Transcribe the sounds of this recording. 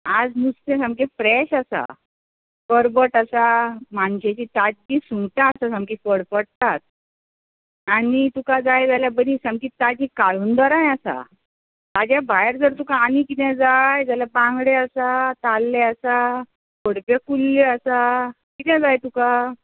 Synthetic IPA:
ad͡zmust̪ẽsãmkefɾɛɕasa̰ | kəɾbəʈasamanɕet͡ɕit̪ad͡ʑːisuŋt̪ãsasamkifəɽpəʈ̚t̪at̪̚ | anit̪ukad͡zajd͡zaljabənisãmkit̪ad͡ʑikaɭuːnd̪ɔɾãjasa̰ | t̪ad͡ʑjabajɾd͡zəɾt̪ukaːnikit̪ɛ̃d͡zajd͡zaljabãŋɡɽeasat̪alːeasa | pəɽpekulːeəsakit̪ɛ̃d͡zajt̪uka

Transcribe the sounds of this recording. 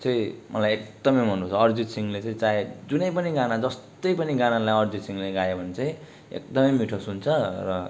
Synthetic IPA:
t͡sʌ̃ĩmʔʌlajek̚d̪ʌmʌjmʱʌnut͡sʰʌʌrd͡zisiŋleʌĩt͡saed͡zunʌjpʌniɡanad͡zʌst̪ʌjpʌniɡanalajʌrd͡zisiŋɡleɡajebʱʌnet͡sʌĩ | ḛkd̪ʌmʌjmiʈʰosunt͡sʰʌrʌ

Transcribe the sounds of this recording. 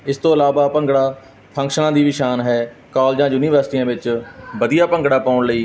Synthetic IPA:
ɪst̪õːəlaːʋaːpə̃ŋɡɽaː | pʰə̃ŋkʃənãːd̪iːʋiʃaːnɦɛː | kaːld͡ʒãːjuːniːʋəɾsʈiːãːʋɪt͡ʃbəd̪ijaːpəŋɡɽaːpaːʊɳləiː

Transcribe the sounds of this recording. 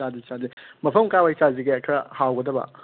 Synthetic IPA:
adit͡ʃazimɐpʰɐmkawajt͡ʃaziɡeɛkʰɾɐhawɡɐdɐbɐ̰

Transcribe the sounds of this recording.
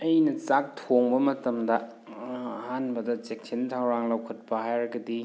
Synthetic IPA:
ɐjnɐt͡ʃak̚tʰoŋbɐmɐtɐmdɐ | ɐhanbɐdɐt͡ʃek̚tʰintʰɐwɾaŋlɐwkʰɐt̚pɐhajɾɐɡɐdi

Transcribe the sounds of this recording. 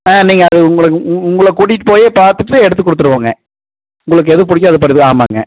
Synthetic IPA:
ãːniːŋɡɐːɐðɯʊŋɡɐɭɯkːɯʊŋɡɐɭɐkuɽɪʈːɯ̥poːjeːpaːɾt̪ɯʈːɯɛɽɯt̪ːɯkːɔɽɯt̪ːɯɾɯkːaːŋɡɐ | ʊŋɡɐɭɯk̬ːɯɛðɯp̬ʊɽɪk̬ʲːaːðɯpɐɾɪðɯaːma̰ːŋɡɐ̰

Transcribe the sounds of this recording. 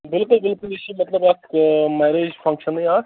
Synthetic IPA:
bɪlkʊlbɪlkʊleʃimɐt̪ləbɐkmɛːɾeːd͡ʒpʰɐ̃ŋkʃəniaː

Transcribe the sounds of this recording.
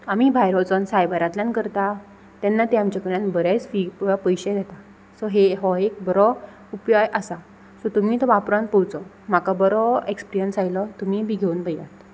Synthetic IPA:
amiːbʱajɾɔt͡sɔnsajbajɾãt̪lãnkəɾt̪a | t̪anːat̪eamt͡ɕakəɾ̃ãnbəɾat͡sfipəjɕed̪jat̪a | sɔɦeɦɔek̚bəɾɔ | upjojasa | sɔt̪umiːt̪ɔʋapɾãnpuwt͡sɔ | m̤akabəɾɔekspɾijənsajlɔt̪um̤iːbiːɡʱeuːnpəja̰t̪

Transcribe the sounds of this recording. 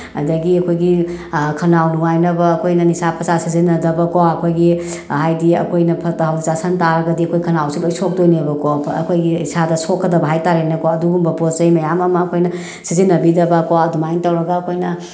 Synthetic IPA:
ɐ̰ndɐɡiɐkʰojɡikʰɐnawnuŋajnɐbɐːkʰojnɐnisapʰɾɐsasizinːɐdɐbɐkoɐkʰojɡi | hajdiɐ̰kʰojnɐpʰɐtɐɦɐwdisasɐntaɾɐɡɐdiɐkʰojkʰɐnawsiŋojsok̚dojniɐbɐkoɐ̰kʰojɡiisadɐsokʰːɐdɐbɐɦajtaɾenɐkoɐduɡumbɐpotzɐjmɐjamɐmɐːkʰojnɐ | sizinːɐbidɐbɐkoɐdumaintɐwɾɐɡɐːkʰojnɐ

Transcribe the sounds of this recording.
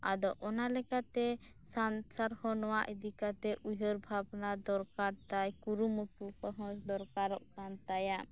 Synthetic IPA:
ad̪ɔʔɔnalɛkat̪ɛ | sansaɾhɔnɔwaʔid̪ikat̪ɛʔujɦəɾbʱabnad̪ɔɾkaɾt̪ajkuɾumɔpukəɦɔ̃sd̪ɔɾkaɾɔʔkant̪ajaʔ

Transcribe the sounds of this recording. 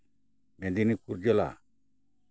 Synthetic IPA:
mɛ̃d̪inikuɾd͡ʒela̰

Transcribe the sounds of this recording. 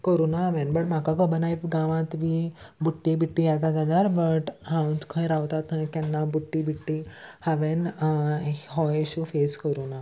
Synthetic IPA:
kəɾunaɦaʋenbəɳm̤akakəbənajpɡãʋãt̪ʋiːbuʈːibiʈːijat̪ad͡zad͡zaɾbəʈɦãwd͡zkʰə̃jɾaʋt̪at̪najkanːabuʈːibiʈːihaʋen | ɦɔjɕufeskəɾuna

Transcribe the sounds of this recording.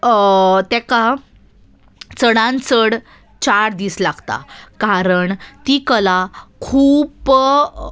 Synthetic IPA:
t̪ɛka | t͡səɽãnt͡səɽ | t͡ɕaɾd̪islaɡt̪a̰kaɾəɳt̪ikəlakʰuːp

